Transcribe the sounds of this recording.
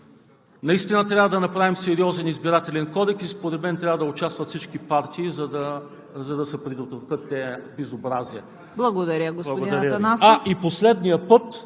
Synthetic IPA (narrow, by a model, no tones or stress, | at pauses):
nɐist̪inɐt̪ɾʲavɐd̪ɐnɐpɾavimsɛɾiɔzɛnizbiɾat̪ɛlɛnkɔd̪ɛksispoɾɛd̪mɛnt̪ɾʲavɐd̪ɐʊt͡ʃast̪vəɐt̪fsit͡ʃkipaɾt̪ʰiːzɐd̪ɐ | zɐd̪ɐsɛpɾid̪ot̪vɐt̪ɤt̪ːɛbɛzobɾaziɛ | blˠɐɡod̪ɐɾʲəɡosblˠɐɡʊd̪ɐɾəɐnasaiposlɛd̪nijəpɤt̪